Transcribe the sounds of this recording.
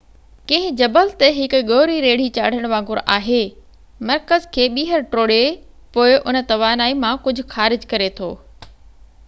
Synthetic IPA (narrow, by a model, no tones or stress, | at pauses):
kɐ̃ɦɪ̃d͡ʑɐbəlt̪eɦɪkɡoːɾiɾeːɽ̤it͡ɕaːɽ̤əɽ̃ʋãːɡʊɾa̰ːɦe | mɐɾkəzkʰeːɓiːɦəɾʈɾoːɽe | poːɪʔʊnə̆t̪ɐʋaːnaːimãkʊd͡ʑʱʊ̆xaːɾɪd͡ʑkɐɾet̪ʰoː